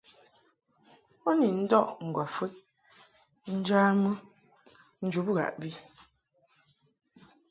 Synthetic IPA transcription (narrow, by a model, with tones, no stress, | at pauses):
ɔ˦ni˨n̩˦dɔ˦ʔŋ̩˨ɡwɔ˨fə˦ʔ̚ | n̩˦d͡ʒaː˦mə˦ | n̩˦d͡ʒu˨˦bɣa̰˨ʔbi˦